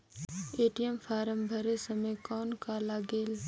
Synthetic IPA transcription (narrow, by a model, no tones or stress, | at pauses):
eːʈijəmfʰaːɾəmbʱɐɾesəmeːkɔːnkaːlaːɡeːl